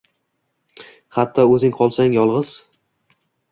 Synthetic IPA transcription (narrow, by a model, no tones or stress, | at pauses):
χɑt̪ʰːɒɵzɪŋqʰɒlˠsaŋjɒlˠʁɨz̥